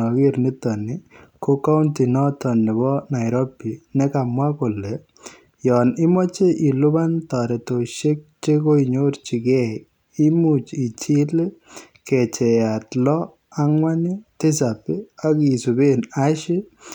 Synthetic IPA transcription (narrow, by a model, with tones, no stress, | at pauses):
ɔ˨ɡi˦ɾni˦t̪ɔniko˦ka˦wnti˨nɔ˦t̪ɔ˨nːɛ˨bɔ˦na˨jɾɔpːi˨nɛ˦kamwa˦ko˨lɛ | jɔ˨ni˦mɔ˦t͡ʃe˦ʔi˨lu˦bant̪a˨ɾɛ˨t̪o˨ʃe˦k̚t͡ʃe˦ko˦jɲo˦ɾt͡ʃi˨ɡɛ˦j | i˦mut͡ʃi˨t͡ʃi˦le˦ | kɛt͡ʃɛ˨jatlɔ˦ | a˦ŋwanit̪ɪ˦s̬apia˦kisu˨be˦naʃi˦